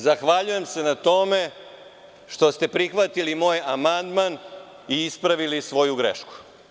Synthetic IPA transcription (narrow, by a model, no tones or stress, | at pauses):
zaxʋaʎuje̞mse̞nat̪o̞me̞ | ʃt̪o̞st̪e̞pɾixʋat̪ilimo̞ːjamand̪man | iispɾaʋilisʋo̞juɡɾḛʃku̥